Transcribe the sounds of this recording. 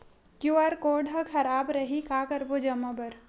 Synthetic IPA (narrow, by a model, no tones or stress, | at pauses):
kjuaɾkoɖɦəkʰɐɾaːbɾəɦikakəɾbod͡ʒəmːəbəɾ